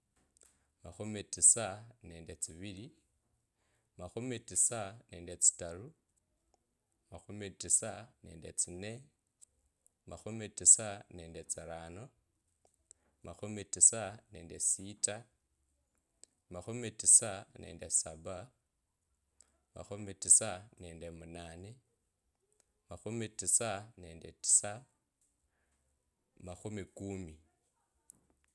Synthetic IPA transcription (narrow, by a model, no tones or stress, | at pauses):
maxumitisaneːndet͡siβili | maxumitisaneːndet͡si̥taɾu | maxumitisane̞̰ːndet͡sine | maxumitisaneːndet͡saɾano | maxumtisaneːndesita | maxumitisanḛːndesaba | ma̰xumitisaneːndemunaːne | maxumitisane̞ːndeti̥sa | maxumikumi